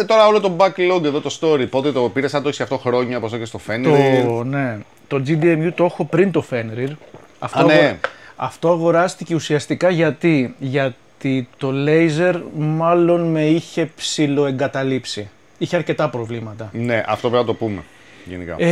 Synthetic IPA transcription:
et̪o̞ɾɐo̞lot̪o̞bɐkloɡeðot̪ost̪o̞ɾipot̪et̪opiɾesɐnt̪oçisaɐft̪oxɾo̞ɲɐposoçest̪o̞fent̪oine̞ | t̪o̞d͡zid̪iemjut̪o̞xo̞pɾint̪o̞fe̞nɾiɾ | ɐft̪neɐft̪o̞ɐɣo̞ɾɐst̪ice̞usiɐst̪ikɐʝɐt̪iʝɐt̪it̪o̞le̞jze̞ɾmɐlo̞nme̞içe̞psilo̞e̞ŋɡɐt̪ɐlipsi | içeɐɾce̞t̪ɐpɾo̞vlimɐt̪ɐne̞ʔɐ̰ft̪opevnɐt̪o̞pumḛ | ʝenḭkɐ̰e

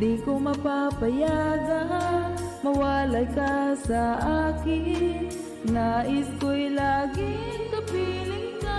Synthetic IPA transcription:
ikomɐpapɐjaɡɐ | mɐwaːlajkɐsɐʔaːkɪn | naʔɪskʊjlaːɡɪkɐpiːlɪŋka

